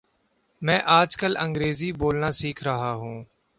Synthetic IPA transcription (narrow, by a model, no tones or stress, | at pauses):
mɛ̃ːʔaːd͡ʒkələ̃ŋɡɾeːziːboːlnaːsiːkʰɾəɦaːɦũː